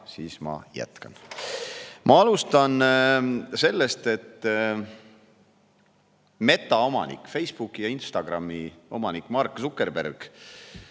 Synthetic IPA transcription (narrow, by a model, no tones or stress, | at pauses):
siːsmɑ̰jæ̰t̪kɑn | mʔɑɑlust̪ɑn | se̞lːest̪e̞t̪ː | me̞t̪ːˑɑomɑ̰nḭkːˑfe̞jsb̥ukːˑijɑinst̪ɑɡ̥rɑmːio̞mɑnikːˑmɑrkːˑsukːˑerbḛrɡ̥